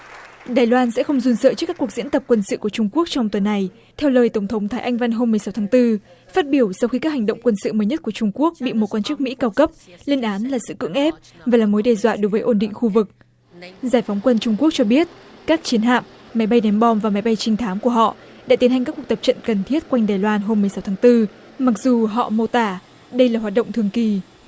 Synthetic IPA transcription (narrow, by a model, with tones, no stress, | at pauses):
ɗaː˨˩jlwaː˧nsɛ̰˧˥xə˧wŋ͡mzu˧nsə̰ː˧˨t͡ɕɨ˦˥kːaː˦˥ku˨˩ək̚zḭ˧˥ənt̪ə˨˩p̚kwə˧nsɨ̰˧˨ku˧˩ət͡ɕʊ˧ŋ͡mku˦˥ək̚t͡ɕɔ˧wŋ͡mt̪wə˨˩nːa˨˩j | t̪ʰɛ˧wləː˧˩jt̪ə˧˩wŋ͡mt̪ʰə˨˦wŋ͡mt̪ʰaː˨˦jʔa˧jŋ̟va˧nɦo˧mː˨˩əjsa˨˦wt̪ʰaː˨˦ŋt̪ɨ˧ | faː˦˥t̚ɓi˧˩əwsa˧wxi˧kaː˦˥k̚ha˨˩ŋ̟ɗə̰˧˨wŋ͡mkwə˧nsɨ̰˧˨məː˨˦jɲə˦˥t̚ku˧˩ət͡ɕʊ˧ŋ͡mku˦˥ək̚ɓḭ˧˨mo˨˩t̚kwaː˧nt͡ɕɨ˦˥k̚mḭ˧˥kaː˧wkə˦˥p̚li˧ənʔaː˨˦nlaː˨˩sɨ̰˧˨kɨ̰˧˥əŋʔɛ˦˥p̚ | vaː˨˩laː˨˩mo˨˦jɗɛ˨˩zwa̰ː˧˨ɗo˨˦jvəː˨˦ʔo˧˩nɗḭ̈˧˨ŋ̟xu˧vɨ˨˩k̚ | zaː˧˩jfɔ˨˦wŋ͡mkwə˧nt͡ɕʊ˧ŋ͡mku˦˥ək̚t͡ɕɔ˧ɓi˦˥ət̚ | kaː˦˥k̚t͡ɕi˨˦ənɦa̰ː˧˨mː | a˨˦jɓa˧jnɛ˨˦mɓɔ˧mvaː˨˩ma˨˦jɓa˧jt͡ɕï˧ŋ̟t̪ʰaː˨˦mku˧˩əɦɔ̰˧˨ | ɗa̰˧˥t̪i˨˦nɦa˨˩ŋ̟kːa˦˥ku˨˩k̚t̪ə˨˩p̚t͡ɕə̰˧˨nkə˨˩nt̪ʰi˦˥ət̚kwa˧jŋɗaː˨˩jlwaː˧nɦo˧mː˨˩əjsa˨˦wt̪ʰaː˨˦ŋt̪ɨ˧ | ma˨˩k̚zu˨˩ɦɔ̰˧˨mo˧˩t̪aː˧˩ | ɗə˧jlaː˨˩ɦwaː˨˩t̚ɗə̰˧˨ŋ͡mt̪ʰɨ˨˩əŋki˨˩